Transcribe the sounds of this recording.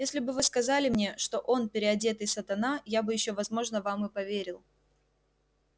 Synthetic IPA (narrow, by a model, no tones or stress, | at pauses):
jesʲlʲɪbɨvɨskɐzalʲɪmnʲe̞ʂt̪o̞ʔo̞npʲɪɾʲɪɐdʲe̞t̪ɨsət̪ɐnajabɨjɪɕːo̞vɐzmo̞ʐnəvamɨpɐvʲeɾʲɪlˠ